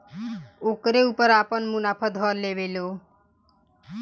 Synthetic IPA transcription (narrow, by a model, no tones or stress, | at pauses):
okɾeupəɾapənmunapʰəd̪ʱɦɔleʋelo